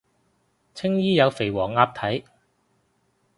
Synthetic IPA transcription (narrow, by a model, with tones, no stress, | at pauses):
t͡sʰɪ˥ŋjiː˥jɐ˨˧wfe˨˩jwɔː˨˩ŋːaː˧p̚t̪ʰɐ˨˥j